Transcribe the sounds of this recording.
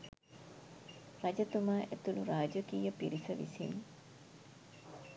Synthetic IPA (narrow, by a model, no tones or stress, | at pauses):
ɾɐd͡ʒət̪umaːʔet̪uluɾaːd͡ʒəkiːjəpiɾisəʋḭsḭn